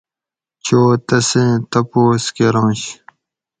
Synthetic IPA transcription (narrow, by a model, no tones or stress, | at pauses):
t͡ɕʰoːt̪ɐsẽːt̪ɐpoːskeɾõːɕ